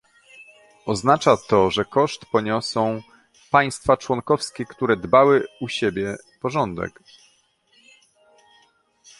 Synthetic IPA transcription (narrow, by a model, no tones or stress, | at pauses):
ɔznat͡ʂat̪ɔʐɛkɔʂt̪pɔɲɔsɔ̃w̃ | paj̃st̪fat͡ʂwɔŋkɔfskʲɛkt̪uɾɛd̪bawɘuɕebʲjɛ | pɔʐɔnd̪ɛ̰k